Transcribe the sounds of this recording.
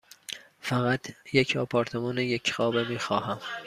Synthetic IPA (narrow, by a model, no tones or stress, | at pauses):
fæɣæt̪ʰjecʰɒːpʰɒːɾt̪ʰemɒːnejecxɒːbemiːxɒːhæm